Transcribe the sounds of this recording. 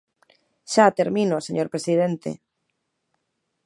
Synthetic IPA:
ʃat̪eɾmĩnoseɲoɾpɾesið̞ent̪ḛ

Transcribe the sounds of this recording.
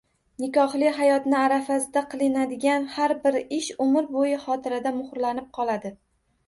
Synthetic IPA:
nɪkɒχlɪɦajɒt̪nɪaɾafasɪd̪aqʰɨlˠɪnad̪ɪɡʲanhaɾbɪɾɪʃʊmɪɾbojɪχɒt̪ʰɪɾad̪amʊχɾlanɪp̚qʰɒlˠad̪ɪ

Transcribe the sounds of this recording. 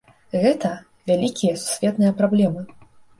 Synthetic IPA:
ɣɛt̪ɐ | vʲalʲikʲijɐsu̥sʲvʲɛt̪nɨjɐpɾablʲɛmɨ

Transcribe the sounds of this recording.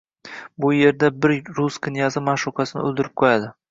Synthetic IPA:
bʊje̞ɾd̪abɪɾɾuskʲɪnjɑzɪmaʃʊqʰɑsɪnɪ̰ɵ̰lˠd̪ɪɾɪp̚qʰojad̪ɪ

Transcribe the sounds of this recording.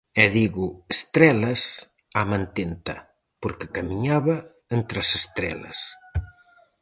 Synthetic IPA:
ɛðiɣʊest̪ɾɛlɐs | amãnt̪ent̪ɐ̰ | poɾkekamiɲaβɐ | ent̪ɾɐsest̪ɾɛ̰lɐ̰s

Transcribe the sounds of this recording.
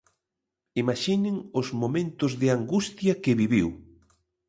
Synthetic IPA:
imaʃinɪŋʊzmomẽnt̪ʊzðɪaŋɡust̪jɐkɪβiβiw

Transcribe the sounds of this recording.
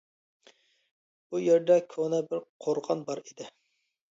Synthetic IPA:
b̥ujeɾd̪ɛkʲʰonɛbɪɾqʰoɾʁɑnbɑɾid̪ɪ

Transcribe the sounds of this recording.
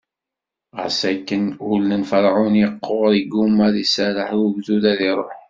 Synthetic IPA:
ʁə̰sækːənulːənfəɾˤʕʊnjəqːoʁðiɡumːæðisæɾəħbðuðæðiɾˤoħ

